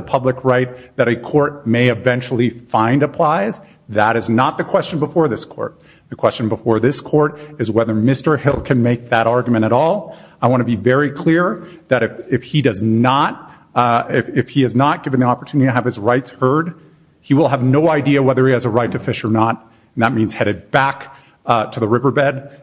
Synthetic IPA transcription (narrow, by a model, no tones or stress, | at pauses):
əpʰʌblɨkɹaɪt̪̚ðɨɾɨkʰɔɹt̚meɪɨvɛ̃nt͡ʃl̩ˠifãɪ̃ndɨpʰl̥aɪz | ðəɾɨznət̪̚ðɨkʰw̥ɛst͡ʃɨ̃n̩bəfɔɹðɪskʰɔ̰ɹt̪̚ | ðɨkʰw̥ɛst͡ʃɨ̃n̩bəfɔɹðɪskʰɔɹɾɨzwɛðə˞mɪstə˞hɪlˠkʰɨ̃nmeɪk̚ðɨɾɑɹɡjmɨ̃ɾ̃ɨɾɔlˠaɪwɑ̃ɾ̃ɨbivɛɹikʰl̥ɪɹðɨɾɨfɨfhidʌznət̚ | ɪfɪfhiɨznət̚ɡ̥ɪvɨ̃n̩ðiɑpə˞tʰʉnɨɾiɾɨːv̥ɨzɹaɪtshɜ˞d̚ | hiwəlˠəvnoʊaɪdiɨwɛðə˞iɨzəɹaɪtʰɨfɪʃə˞nət | n̩ðət̚mĩnz̥hɛɾɨt̚b̥æk | tʰɨðəɹɪvə˞bɛd̥